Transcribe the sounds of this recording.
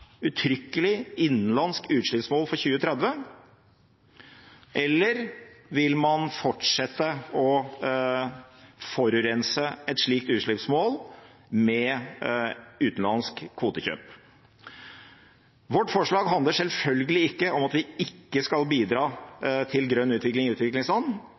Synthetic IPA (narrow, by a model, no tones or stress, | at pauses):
ʉt̪ʰɾʏkːəlɪɪnːnlɑnskʉːt̪ʂɭɪpsmoːlfɔɾçʉːət̪ʰɾɛd̪ʋə | ʔɛlːəɾʋɪlmɑnfɔʈʂɛt̪ːəɔ | fɔɾʉɾɛnsəɛt̪ʂɭiːk̚t̪ʉːt̪ʂɭɪpsmoːl | mɛ | ʉːt̪n̩lɑnskʰːʋuːt̪əçø̰ːp | ʋɔʈːfɔʂɭɑːɡɦɑnd̪əʂɛlfœlɡəlɪɪkːəʔɔmɑt̪ʋɪɪkːəskɑlbiːd̪ɾɑːt̪ʰɪlɡɾœnːʉːt̪ʋɪklɪŋʉːt̪ʋɪklɪŋslɑnː